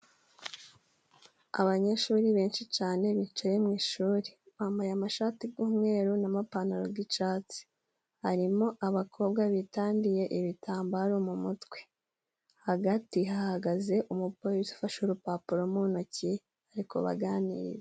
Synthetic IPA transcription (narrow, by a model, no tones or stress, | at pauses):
a̰βaɲe̞ʃuːɾiβe̞ːnʃit͡ʃaːne̞βit͡ʃajemŋiːʃuːɾiβaːmbajamaʃaːtiɡuːmŋe̞ːɾunamapanoɾoɡit͡ʃaːt͡si̥ | haɾimoʔaβakʰo̞ːbɡaβitaːndije̞ʔiβitʰaːmbaɾumumutwe̞ | haɡatiɦahaɡaze̞ʔumupoɾisi̥faʃoɾupapuɾo̞munoci | haɾiko̞̰βa̰ɡaːnḭːɾḭɾe